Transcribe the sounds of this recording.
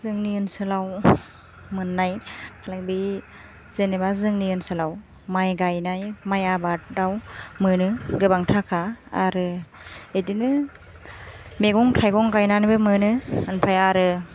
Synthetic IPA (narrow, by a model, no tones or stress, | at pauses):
zɯŋniɯnsɯlaw | mɯnːajkʰalak̚bi | z̥ɯnebazɯŋniɯnsɯlaw | majɡajnajmajabat̚dawmɯnɯɡɯbaŋtʰakʰaːɾɯedinɯ | meɡɔŋtʰajɡɔŋɡajnanɯbɯmɯnɯɯnpʰajaɾɯ